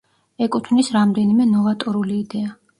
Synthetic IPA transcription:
ɛkʼut̪ʰvnisɾamd̪ɛnimɛnɔvat̪ʼɔɾuliːd̪ɛa

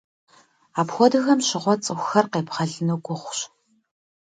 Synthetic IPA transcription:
aːpxʷɔdɨxɐmɕɪʁʷɔt͡sʼɨxʷxɐrqeːpχɐɮɨnuːɡʷʊχʷɕ

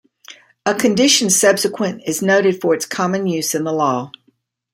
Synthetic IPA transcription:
əkʰɨ̃ndɪʃɨ̃n̩sʌb̥sɨkʰwɨ̃nɪznoʊɾɨd̥fə˞ɨtskʰɑmɨ̃njʉz̥ɨ̃nðəlɔ

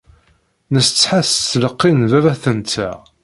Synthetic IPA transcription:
nəst͡sːħaθt͡sːləqːinvævæθənt͡sːæ̰

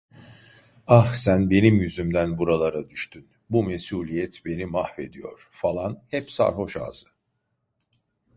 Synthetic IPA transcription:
axsænbe̞nimjyzymd̪ænbuɾalˠaɾad̪yʃt̪ʰyn | bumesuːlʲijɛt̪be̞nimahve̞d̪ijo̰ɾ̥falˠanhɛpsa̰ɾɦo̞ʃa̰ːzɯ

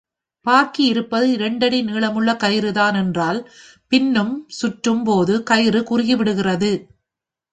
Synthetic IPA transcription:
paːɾkiɪɾɯpːɐðɯɪɾɐɳɖɐɽiniːɭɐmɯɭːɐkɐjɾɯðaːnɛndraːl | pɪnːɯmsʊʈrɯmpoːðɯkɐjɪɾɯkʊrɪɣiʋɪɽɯɣɪrɐðɯ

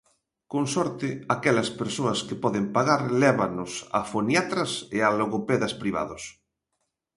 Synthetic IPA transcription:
koŋsɔɾt̪ɪakɛlɐspeɾsoɐskɪpɔðɪmpaɣaɾlɛβanʊsa̰fonjat̪ɾasealoɣopɛðaspɾiβ̞a̰ðʊs

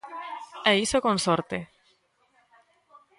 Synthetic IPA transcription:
ɛisokonsoɾt̪e

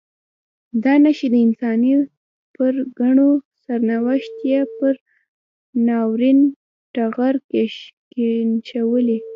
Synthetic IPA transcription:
d̪ɑnaʃid̪əɪnsɑni | pəɾɡaɳosaɾnawaʃt̪jepəɾ | nɑwɾin | ʈaɣaɾkeʃkenʃawəli

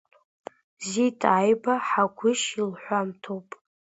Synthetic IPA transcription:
zitʰʼajbaħaɡʷʊʃilħʷamtʰowpʼ

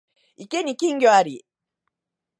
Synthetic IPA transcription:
ikenikiŋɡoaɾḭ

